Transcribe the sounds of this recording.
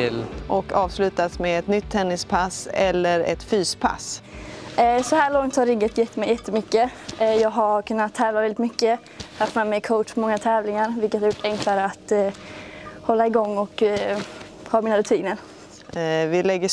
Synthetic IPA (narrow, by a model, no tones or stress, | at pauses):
ʔɔkɑːvslʉ̟ːt̪asmeːɛt̪nʏt̪ʰːɛnːɪspʰasɛlːəɾɛ̰t̪fyːspʰa̰s | sɔhæːɭɔŋt̪haɾɪɡːət̪jɛt̪ːəmɛjɛt̪ʰːəmʏkːəjɑːɡɦaɾkʰɵnːat̪ʰːɛːvlavɛlɪt̪mʏkːə | haft̪mɛːmɛjkʰoʊtɔmɔŋːat̪ʰɛːvlɪŋaɾvɪlkət̪haɾjʊʈːʰɛŋkʰlaɾəat̪ | hɔlːaɪɡɔŋːɔk | hɑːmiːnaɾʉt̪ʰiːnəɾ | vɪlɛɡːə